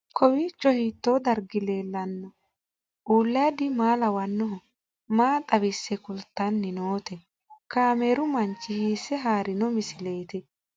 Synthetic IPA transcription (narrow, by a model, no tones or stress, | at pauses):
kʰɔwiːt͡ʃːɔhiːt̪ːoːd̪ɐɾɡɪle̞ːlːɐnːɔ | ʔuːlːɐjad̪ɪmaːlɐwɐnːɔɦɔ | maːt̪ʼɐbɪsːɛkʊlt̪ːɐnːɪnoːt̪ɛ | kaːmeːɾʊmɐnt͡ʃːɪhiːsɛɦaːɾɪnɔmɪsɪle̞ːt̪ɪ